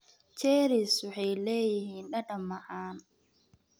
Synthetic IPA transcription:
t͡ʃɛːɾisʊħɛjlɛːjɪhiːnɗɐɗɐmaʔaːn

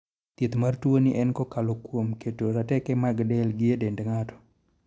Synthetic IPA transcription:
t̪it̪martwoniʔɛnkɔkalokwomketoɾatɛkɛmaɡdɛlɡɪedendŋatɔ̥

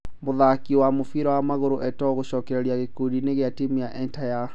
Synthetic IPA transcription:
moðakiwamofiɾɔwamaɣoɾoʔɛtɔɣoɕɔːkɛɾeɾiaɣekodineɣeatimijaʔɛntaja

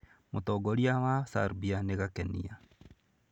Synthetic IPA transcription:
motɔːɡɔɾiawasa̰ɾbianeɣakɛnḭa

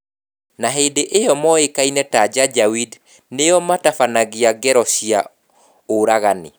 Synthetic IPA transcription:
naɦedeʔejɔmɔekainɛtad͡ʒad͡ʒawid | neɔmatafanaɣiaɡɛɾɔsia̰ | oɾaɣanḛ

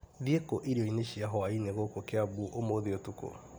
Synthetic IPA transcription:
ðiekoʔiɾioineʃiaɦɔaineɣokokeaβuʔomoðiotuko̰

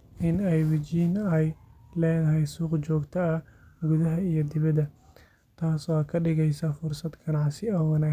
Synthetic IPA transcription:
ʔɪnɛjwɐt͡ʃiːnɛjlɛːðɐɦɛjsuːqt͡ʃɔːɡt̪ʰɐɐɡʊðɐɦɐijɞd̪ɪβɐd̪ɐ | t̪ʰaːsɔkʰɐɖɪɣɛjsɐfʊrsɐd̪ɡɐnɑʕsɪɔːwɑnaː

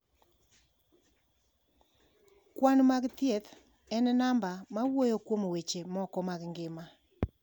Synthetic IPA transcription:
kwanmakɪt̪jet | ɛnɛnambamawwojokwomowet͡ʃemɔkɔmakɪŋɡɪma

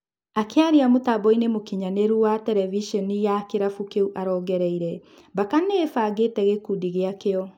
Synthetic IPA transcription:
akeaɾiamotabɔinemokiɲaneɾuwatɛɾɛviʃɔnijakeɾafukeuʔaɾɔːɡɛɾɛiɾɛ | bakanefaɡetɛɣekudiɣeakeɔ

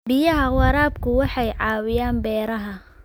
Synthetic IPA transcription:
bɪjɐɦɐwɑɾaːbkʰʊwɑħɑjʕɑːwɪjaːnbɛːɾɐɦɐ

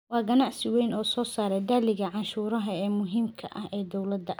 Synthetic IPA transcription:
wɑːɡɐnaʕsɪwɛjnɔːsɔːsaːɾɛjd̪aːlɪɣɐʕɑʃuːɾɐɦɐɛːmʊɦiːmkʰɐʔɐ̰hɛːd̪ɔwlɐd̪ɐʔ

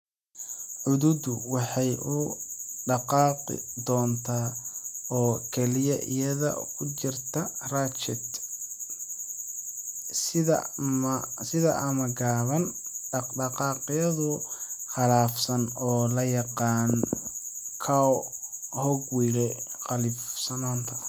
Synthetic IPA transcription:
ħʊðʊd̪ʊwɑħɑjʔʊɖɑqɑːqɪ̰d̪ɔːnt̪ʰaːɔːkʰɛlɪjɐʔḭjɐðɐ̰kʰʊt͡ʃɪrt̪ʰɐraːt͡ʃɪt̪ | sɪðɐ̰mɐsɪðɐʔɐmɐɡaːβɐnɖɑqɑːqɪjɐðʊχɑlaːfsɐnɔːlɐjɑqɑːn | kʰa | hɔɡwilɛqɑlɪfsɐnaːnt̪ʰɐ

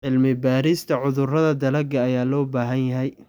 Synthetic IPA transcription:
ʕɪlmɪbaːɾɪst̪ʰɐʕʊðʊrɐðɐd̪ɐlɐɡɐːjaːlɔːbaːɦɐnjɐɦɛj

